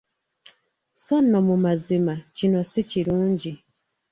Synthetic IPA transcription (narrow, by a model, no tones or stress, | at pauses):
sonːomumazimacino̞siciɾuːɲɟi